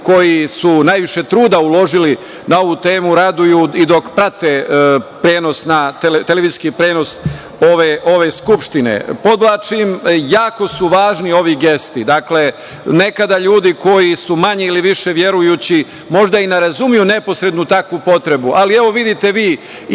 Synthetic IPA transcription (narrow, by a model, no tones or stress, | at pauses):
ko̞jisunajʋiʃe̞t̪ɾuːd̪aulo̞ʒili | nao̞ʋut̪e̞ːmuɾad̪ujuid̪o̞kpɾat̪epɾe̞ːno̞snat̪elet̪eleʋiziskipɾe̞ːno̞s | oʋeʔo̞ʋe̞skupʃt̪inḛpo̞d̪blaːt͡ʃimjaːko̞suʋaːʒnio̞ʋiɡe̞st̪id̪akle̞ | ne̞kad̪aʎuːd̪iko̞jisumaɲe̞iliʋiʃe̞ʋje̞ɾujuːt͡ɕi | mo̞ʒd̪aineɾazumijune̞po̞sɾe̞d̪nut̪akʋupo̞t̪ɾe̞buʔalieʋo̞ʋid̪it̪e̞ʋiː